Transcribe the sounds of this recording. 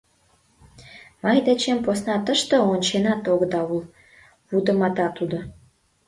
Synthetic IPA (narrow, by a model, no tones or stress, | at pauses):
mɑjd̪et͡ɕemposnɑt̪əʃt̪ə̆onʲt͡ɕenɑt̪oɣəd̪ɑul | βud̪ə̆mɑt̪ɑt̪ud̪o